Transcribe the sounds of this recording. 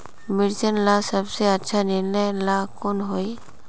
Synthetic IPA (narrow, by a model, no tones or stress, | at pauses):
mɪɽd͡ʒənlasəbseətːʃʰaniɾnəjlakonɦoi